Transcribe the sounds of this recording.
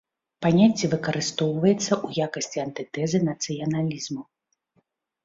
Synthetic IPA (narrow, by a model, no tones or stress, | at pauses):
panʲat͡sʲːivɨkɐɾɨst̪ɔwvɐjɛt̪sːɐʔujakɐsʲt͡sʲiɐnt̪ɨt̪ɛzɨnɐt̪sɨjɐnalʲizmu